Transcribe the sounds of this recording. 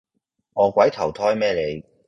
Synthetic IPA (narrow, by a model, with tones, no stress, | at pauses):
ŋɔː˨˧kʷɐ˨˥jt̪ʰɐ˨˩wt̪ʰɔː˥jmɛː˥le˨˧j